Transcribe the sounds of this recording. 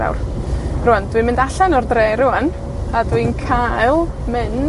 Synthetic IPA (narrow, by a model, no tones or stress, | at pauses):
a̰wrrʊand̥wimɪndaɬanɔrdreːɾʊan | adwinkʰalˠ | mɪn